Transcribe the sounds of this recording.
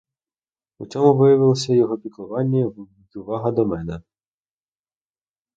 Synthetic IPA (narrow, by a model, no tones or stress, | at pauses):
ut͡sʲɔmʊʋɪjɐʋɪlˠɔsʲɐjɔɦɔpʲik̪lˠʊʋɑnʲːɐid̪ʊʋɑɦɐd̪ɔmɛnɛ